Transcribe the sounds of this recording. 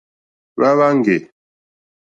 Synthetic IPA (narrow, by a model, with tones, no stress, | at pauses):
βa˦βa˦ŋ˦ɡe˨